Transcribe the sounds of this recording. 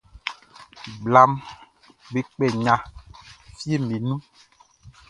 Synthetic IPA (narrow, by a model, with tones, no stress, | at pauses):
ɡ͡bla˦m | be˦k͡pɛ˨ɲã˨ | fi˦e˦mẽ˨nũ˦